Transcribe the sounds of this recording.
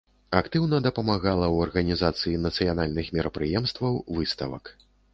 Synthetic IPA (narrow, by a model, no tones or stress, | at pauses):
akt̪ɨwnɐd̪ɐpɐmaɣalˠɐwɐrɣɐnʲizat̪sɨjinɐt̪sɨjanalʲnɨxmʲɛɾɐpɾɨjɛmst̪vɐwvɨst̪ɐvɐ̰k